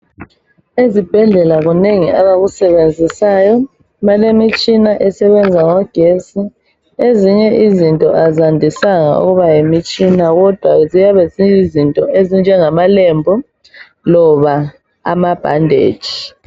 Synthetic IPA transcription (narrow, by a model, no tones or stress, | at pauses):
ezib̥ʱɛɮɛlaɣuneŋiaβaɣusɛβend͡zʱisajɔ | malemit͡ʃʼinaʔɛsɛβɛnd͡zʱaŋɔɡ̥ʱesi | eziɲɛʔizintʼɔ̰ʔazandʱisaŋa̰ṵɣuβajemit͡ʃʼinaɣɔd̥ʱwa̰zijaβɛziizintʼɔʔezind͡ʒʱɛŋamalembʱu | lɔβa | a̰mab̥ʱa̰ndʱḛːd̥ʒ̥ʱi̥